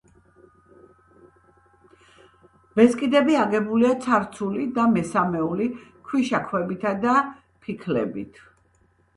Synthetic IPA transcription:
b̥ɛskʼid̪ɛbiaɡɛbuliat̪sʰaɾt̪sʰulid̪amɛsamɛulikʰwiʃakʰwɛbit̪ʰad̪a | pʰikʰlɛ̰bḭt̪ʰ

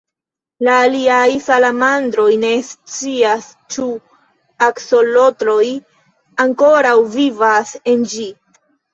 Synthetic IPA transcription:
laːliajsalamandɾo̞jne̞st͡sias | t͡ʃu | akso̞lo̞tɾo̞j | aŋko̞ɾawvivase̞nd͡ʒi

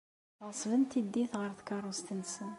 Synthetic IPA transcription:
əʁsˤvənt̪id̪ːiθʁəɾθkɑrˤust̪ənːsən

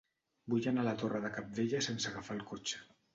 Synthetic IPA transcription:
bujanalət̪orəðəkap̚d̪eʎəsensəaɣafalˠkot͡ʃə̥

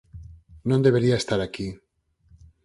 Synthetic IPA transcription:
nõnd̪eβeɾiaest̪aɾaki

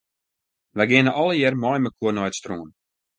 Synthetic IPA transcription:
ʋɛjɡɪənəʔɔləjɪrmɔjməkʰuərnɔjətstruːn

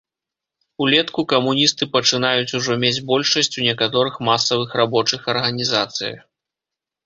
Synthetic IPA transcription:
ulʲɛt̪kukɐmunʲist̪ɨpɐt͡ʂɨnajut͡sʲuʐɔmʲed͡zʲbɔlʲʂɐsʲt͡sʲunʲɛkat̪ɔɾɨxmasɐvɨxrabɔt͡ʂɨxɐrɣɐnʲizat̪sɨ̰jɐ̰

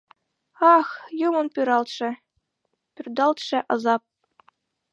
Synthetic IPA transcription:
ɑxjumɤ̆npʲyɾɑlˠt̪ʂɘ̆ | pʲyrʲd̪ɑlˠt̪ʂɘ̆ʔɑ̆zɑp̚

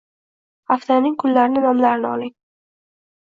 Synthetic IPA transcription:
aft̪ʰanɪŋkʰʊlːaɾɪnɪnɒmlaɾɪnɪɒlɪŋ

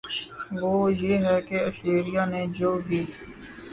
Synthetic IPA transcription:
ʋoːjeːɦɛkeɐʃɾeːɾijaned͡ʒoːbʱiː

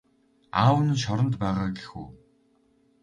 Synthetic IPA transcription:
aːwən̆ʃ̬ɔɾɞ̆nt̪pæːʁaːɡexṵː

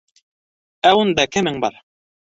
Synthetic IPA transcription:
æund̪ɑkɘ̆mɘŋbɑ̰ɾ

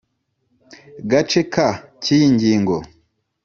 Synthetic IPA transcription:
ɡat͡ʃekʰacijiɲɟiːŋɡo̞

